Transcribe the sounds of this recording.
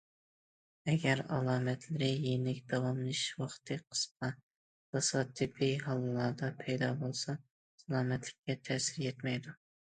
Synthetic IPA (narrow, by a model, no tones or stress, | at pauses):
ɛɡʲæɾɑ̰lˠɑːmɛt̪ʰlɪɾɪjenɪkʲd̪̥ɑwɑmnˠɨʃwɑχt̪ʰɨqʰə̥sqɑ | d̪̥ɑsɑt̪ʰːɪpʰɪɦɑlˠɨlˠɑd̪ɑpʰɛjd̪ɑbolˠsɑ | sɑlˠɑːmɛt̪lɪkʲʰːɛt̪ʰɛsɪɾjɛt̪mɛjd̪u